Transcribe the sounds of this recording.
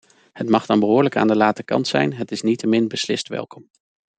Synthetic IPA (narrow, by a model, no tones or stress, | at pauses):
hətmɑχdɑnbəɦʊːɹləka̰ːndəlaːtəkɑ̰ntsɛ̰jnɦətɪsnitəmɪnbəslɪ̰stʋɛ̰lˠkɔm